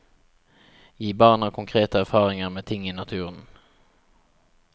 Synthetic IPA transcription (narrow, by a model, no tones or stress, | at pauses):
jiːbɑːɳakʰɔŋkʰɾeːt̪aæɾfɑːɾɪŋaɾmeːt̪ʰɪŋːɪnat̪ʰʉːɾən